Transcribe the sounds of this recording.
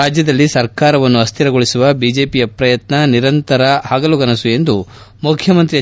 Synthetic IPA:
aːd͡ʒjɐd̪ɐlːisɐɾkaːɾɐʋɐnːuɐst̪ʰiɾɐɡoɭisuʋɐbid͡ʒe̞ːpijɐpɾɐjɐt̪nɐniɾɐnt̪ɐɾɐɦaːɡɐluɡɐnɐsue̞nd̪u | mukʰjɐmɐnt̪ɾiɐ

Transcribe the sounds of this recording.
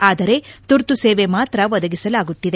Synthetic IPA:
aːd̪ɐɾe̞t̪uɾt̪useːʋe̞maːt̪ɾɐʋɐd̪ɐɡisɐlaːɡut̪ːid̪e

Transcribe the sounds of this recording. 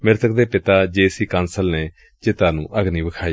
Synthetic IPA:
mɪɾt̪ʰək̚d̪eːpɪt̪aːd͡ʒeːsiːkãːnsəlneː | d͡ʒeːt̪aːnṵ̃ːʔəɡniːbəkʰaːiː

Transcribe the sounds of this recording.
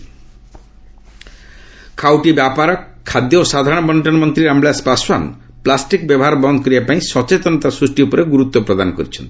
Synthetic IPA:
kʰawʈibjapaɾɔkkʰːad̪joosad̪ʱaɾɔɽ̃ɔbɔnʈɔnmɔnt̪ɾiɾambɭjaspaswan | plasʈikbjɔbɔɦaɾbɔnd̪ʱɔkɔɾiapaĩsɔt͡ʃet̪ɔnɔt̪asɾusʈiupɔɾeɡuɾut̪wopɾɔd̪ankɔɾit͡ʃʰent̪i̥

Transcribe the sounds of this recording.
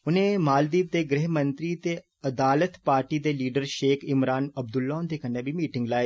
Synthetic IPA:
ʊnẽːmaːld̪iːb̚t̪eːɡɾɪɦmənt̪ɾiːt̪eː | əd̪aːlət̪paːɾʈiːd̪eːliːɖəɾʃeːkʰɪmɾaːnəb̚d̪ʊlːɔːnd̪eːkəneːbʱiːmiːʈɪ̃ŋɡlaːe

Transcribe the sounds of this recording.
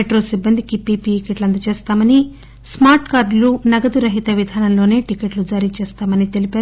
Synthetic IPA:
eʈɾo̞ːsibːɐnd̪ʱikipiːpikeʈlɐnd̪ɐt͡ʃeːst̪aːmɐni | smaːɾʈkaːɾɖlunɐɡɐd̪uɾɐɦit̪ɐʋid̪ʱaːnɐmlo̞ːne̞ːʈikeʈlud͡ʒaːɾiːt͡ʃeːst̪aːmɐnit̪e̞lipeaːu

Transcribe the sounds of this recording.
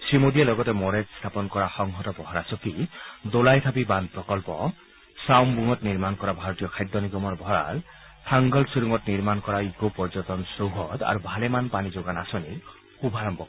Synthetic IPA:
sɹimodijalɔɡɔtɛmɔɹetst̪ʰapɔnkɔɹaxɔŋɦɔtɔbɔɦɔɹasɔkidolajt̪ʰapiband̪̚pɹɔkɔlpɔ̰ | sawmbuŋɔtniɹmankɔɹabʱaɹɔtijɔkʰajd̪ɔniɡɔmɔɹbʱɔɹa̰l | tʰaŋɡɔlsiɾuŋɔtniɹmankɔɹaikopɔɹzɔtɔnsowɦɔd̪a̰ɹubʱalemanpanizoɡanasɔniɹ | xubʱaɹɔmbʱɔk

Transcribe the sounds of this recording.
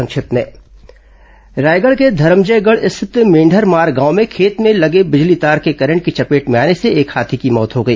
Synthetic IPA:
ɐ̃ŋkʃɪt̪mḛ̃ː | ɾaːjɡəɭked̪ʱɐɾəmd͡ʒəɡəɭɪst̪ʰɪt̪mẽːɳɖʱəɾmaːɾɡãːʊmẽkʰeːt̪mẽlɐɡebɪd͡ʒlit̪aːɾkekɐɾə̃ɳʈkit͡ʃɐpeːʈmeaːneseeːkʰaːt̪ʰikimɔːt̪ɦoːɡəiː

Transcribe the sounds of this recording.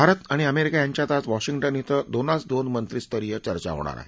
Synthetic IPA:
bʱaɾət̪aɽ̃iəmeɾikajaɲt͡ɕjat̪at͡sʋɔɕiŋɡʈənit̪əd̪onat͡sd̪onmənt̪ɾist̪əɾijət͡ɕəɾt͡ɕa̰ɦo̰ɽ̃a̰ɾa̰ɦe

